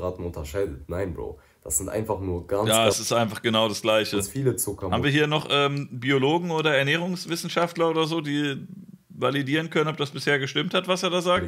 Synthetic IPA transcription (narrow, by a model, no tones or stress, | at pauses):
ʁaːtn̩ʊntɐʃaɪdətnaɪnblo̰ː | d̥asz̥ɪntʔa̰ɪnfaχnuːɐɡ̥anjaːɛsɪstʔaɪnfaχɡ̥ənaʊɾasɡ̥laɪçəfiːlət͡sʊkɐaːbmviːɐiːɐnɔχʔɛːmbioloːɡŋ̩oːdɐɛɐnɛːʁ̞ʊŋsv̥ɪsn̩ʃaftlɐoːdɐzoːdiː | validiːʁ̞ənkʰœnənɔp̚d̥asb̥ɪsheːɐɡəʃtɪmthatv̥aseːɐdaːzaːkt